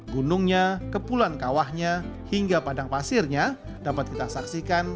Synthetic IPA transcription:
ɡunʊŋɲakəpulankawahɲahiŋɡapadaŋpasɪrɲa | dapat̪̚kit̪asaksikan

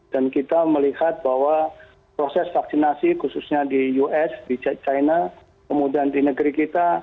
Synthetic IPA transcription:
d̥ankit̪aməlihat̪̚bahwa | pɾosɛsfaksinasikususɲadijuʔɛsdit͡ʃt͡ʃajna | kəmudiandinəɡəɾikit̪a

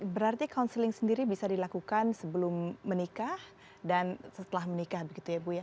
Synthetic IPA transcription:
bəɾart̪ikaunsəlɪŋsəndiɾibisadilakukansəbəlʊmːənikah | dansət̪əlahmənikahbəɡit̪ujabuja

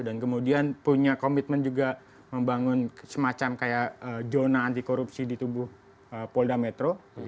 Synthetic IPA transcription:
dankəmudianpuɲakomit̪̚mənd͡ʒuɡa | məmbaŋʊnsəmat͡ʃamkajaʔəd͡ʒonaːnt̪̬ikoɾupsidit̪ubʊh | əpoldamet̪ɾo

